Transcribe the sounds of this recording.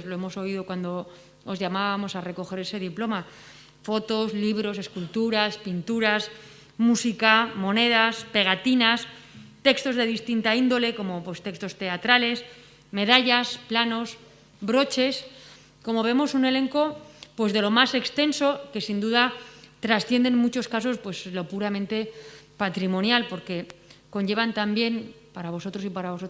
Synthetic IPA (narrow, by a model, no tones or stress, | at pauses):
zlo̞emo̞so̞iðo̞kwand̪o̞ | ozʝamaβamo̞sare̞ko̞xe̞ɾe̞se̞ð̞iplo̞ma | fo̞t̪o̞zliβ̞ɾo̞s̬e̞skult̪uɾaspint̪uɾas | musikamõ̞ne̞ðaspe̞ɣ̞at̪inas | t̪e̞kst̪o̞zðe̞ðist̪int̪aind̪o̞le̞ko̞mo̞pwe̞st̪e̞kst̪o̞st̪e̞at̪ɾale̞s | me̞ðaʎasplano̞s | bɾo̞t͡ʃe̞s | ko̞mo̞β̞e̞mo̞sune̞le̞ŋko̞pwe̞zðe̞lo̞mase̞kst̪e̞nso̞ke̞sind̪uðat̪ɾasθjend̪e̞nmut͡ʃo̞skaso̞spwe̞zlo̞puɾamẽ̞nt̪e̞pat̪ɾimõ̞njalpo̞ɾke̞ko̞ɲʝe̞βant̪ambje̞npaɾaβ̞o̞so̞t̪ɾo̞sipaɾaβo̞so